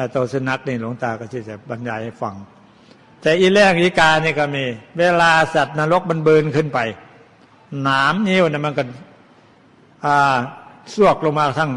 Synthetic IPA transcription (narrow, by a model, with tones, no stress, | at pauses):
a˧˩t̪o˧sɯ˧˩˨na˦˥k̚niː˧˩lo˨˦ŋt̪aː˧kɔ˧˩si˧˩t̪ɛ˧˩ba˧njaː˧˩ha˧˩jfa˨˧˦ŋ | t̪ɛː˧˩ʔiː˧lɛː˧˩ŋʔiː˧˩kaː˧niː˧˩kɔː˧˩miː˧weː˧laː˧sa˨˩t̪̚naː˧lo˦˥k̚ma˧˥nbɤː˧nkʰɯ˧˥˨npa˨j | naː˨˦mɲiː˧˥˨wnaː˧˩˨ma˧˨nkɔ˧˩ | ʔaː˧˩su˧˥˩ək̚lo˧ŋmaː˧˩t̪ʰa˥˨ŋ